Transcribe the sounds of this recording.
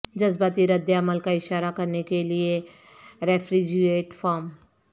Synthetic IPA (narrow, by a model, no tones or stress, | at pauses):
d͡ʒɐzbat̪iɾɐd̪ːeɐməlkaɪʃaːɾakɐɾnekelie | ɾɛːfɾid͡ʒieːʈfaːɾm